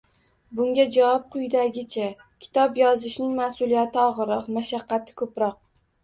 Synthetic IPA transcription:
bʊŋɡʲad͡ʒawɒp̚qʰʊjd̪aɡʲɪt͡ʃʰa | kʲʰɪ̥t̪ʰɒpjɒzɪʃnɪŋmasʊlˠijat̪ʰɪɒʁɨɾɒqmaʃaqːɑt̪ʰɪ̥kʰɵpɾɒq̚

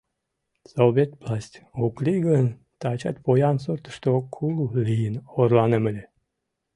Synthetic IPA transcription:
sovʲet̪vlˠasʲt̪ʲoklʲiɡən | t̪ɑt͡ɕɑ̰t̪pojɑnsoɾt̪ə̥ʃt̪okʰululʲijinoɾlˠɑnəməlʲe

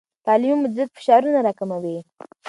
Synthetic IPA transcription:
t̪ɑlɪmumːʊd͡ʒzɪt̪̚fɪ̥ʃɑɾunaɾɑkamawe

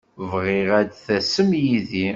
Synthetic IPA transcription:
vʁɪʁæd̪θæsəmjiði

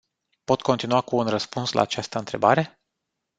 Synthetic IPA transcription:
po̞t̪ko̞nt̪inuakuːnrəspunsla̰ːt͡ʃast̪əɨnt̪ɾe̞̰baɾe̞

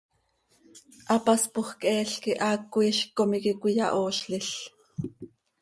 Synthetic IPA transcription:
ʔɑpɑspoχkʔɛːɬkiʔɑːkːuiːʃkomikikʷijɑ̰ʔoːʃɬɪɬ

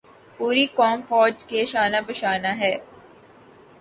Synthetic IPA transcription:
puːɾikɔːmfɔːd͡ʒkeʃaːnapɐʃaːnaɦɛː

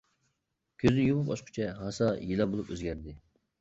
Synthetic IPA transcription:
kʲʰøznɪjomʊpɑʃqʰʊ̥t͡ʃʰɛɦɑsɑjilˠɑbolˠupøzɡʲæɾd̪ɪ

